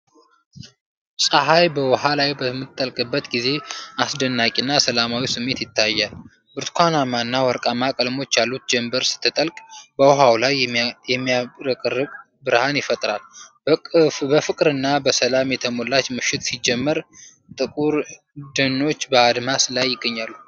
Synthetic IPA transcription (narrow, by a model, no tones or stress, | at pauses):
sʼəɦajbəwɔɦalajbəmːɨt̪ʼːəlkʼɨbːət̪ɡize̞asd̪ənːakʼinːasəlamawisɨmːe̞t̪jɪt̪ʰːajːal | bɨɾt̪kʷʰanamanːawɔɾkʼamakʼəlmo̞t͡ʃːjalːut̪̚d͡ʒɛmbəɾsɨ̥t̪ʰːɨt̪ʼəlkʼbəwɔɦawlajjɛmːiaɾəkʼɨrːɨkʼ | bɨɾhanjɪfət̪ʼɾalbəbəfɨkʼɾɨnːabəsəlamjɛt̪ʰəmo̞lːat͡ʃmɨʃɪt̪sid͡ʒːɛmːəɾ | t̪ʼɨkʼuɾ | d̪ɨnːo̞t͡ʃːbəad̪maslajːɪɡːəɲːalːu